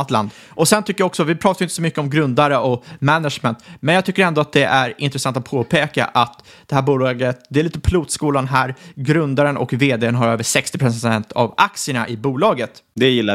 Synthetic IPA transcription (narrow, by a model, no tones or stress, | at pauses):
at̪la̰nd̪ | ʔɔsɛnt̪ʰʏkːəjaɔksɔvɪpʰɾɑt̪ajʏɪnt̪əsɔmʏkːəɔmɡɾɵnd̪aɾəʔɔmɛnaʂmɛnt̪mɛnjɑɡt̪ʰʏkːəɾɛnd̪ɔat̪̚d̪ɛʔæɾɪ̰nt̪ɾəsant̪at̪̚pʰoːpʰeːka̰ʔat̪ | d̪̥ɛhæːɾbuːlɑːɡət̪̚d̪ɛɛɭiːt̪əpʰluːd̪skuːlanɦæːɾɡɾɵnd̪aɾənʔɔ̰kveːd̪eːənɦaɾøːvəʂɛkst̪ɪpɾsɛnt̪ʰa̰vakt̪sɪəɳaʔɪbuːlɑːɡət̪d̪ɛjɪlːa